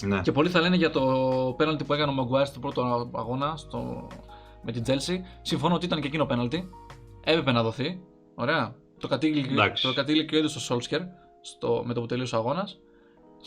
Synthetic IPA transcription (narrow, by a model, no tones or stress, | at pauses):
nce̞po̞liθɐle̞neʝɐt̪o̞pe̞nɐlt̪ipue̞kɐneomeoɡuɐɾst̪opɾo̞t̪oɐ̰ɣo̞nɐst̪o̰ | me̞t̪id͡ze̞lsisiɱfo̞nooit̪ɐnece̞cino̞pe̞nɐlt̪ie̞pe̞penɐðo̞θi | o̞ɾe̞ɐ | t̪o̞kɐt̪ilaokɐt̪ilcoiðost̪oso̞lsceɾ | st̪o̰me̞t̪opot̪eliosɐɣo̞nɐs